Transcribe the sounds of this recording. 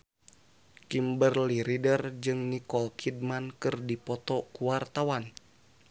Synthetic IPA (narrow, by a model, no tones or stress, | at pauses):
kimbərliɾidərd͡ʒɨŋnikɔlkʰid̚mankɨrdipɔt̪ɔkuwart̪awan